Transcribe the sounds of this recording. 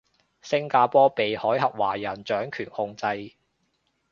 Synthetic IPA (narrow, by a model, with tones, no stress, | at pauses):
sɪ˥ŋkaː˧pɔː˥pe˨jhɔː˨˥jhɐ˨p̚wa̰ː˨˩jɐ˨˩nt͡ʃœː˨˥ŋkʰyː˨˩nhʊ˧ŋt͡sɐ˧j